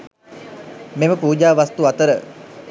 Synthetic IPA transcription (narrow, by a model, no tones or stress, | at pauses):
meməpuːd͡ʒaːʋast̪uat̪əɾə